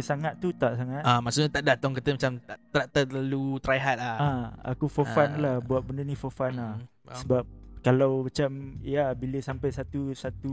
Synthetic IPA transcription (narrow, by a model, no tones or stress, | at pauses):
əsaŋat̪ːut̪aʔsaŋat̪amaʔsuʔɲat̪aʔdat̪ɔŋkət̪əmat͡ʃamt̪aʔt̪ɾaʔ̚t̪əlalut̪ɾajɦat̪̚lahaa̰kufɔfanlahbuat̪̚bəndənĩfɔfanlah | səbap̚kalawmat͡ʃamijabiləsampajsat̪usat̪u